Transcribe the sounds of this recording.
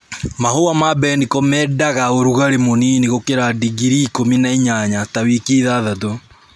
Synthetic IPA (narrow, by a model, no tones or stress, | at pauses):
mahowamabɛnikɔmɛːdaɣaoɾuɣaɾemoniːniɣokeɾadiɡiɾikominaiɲaɲatawikiðaðato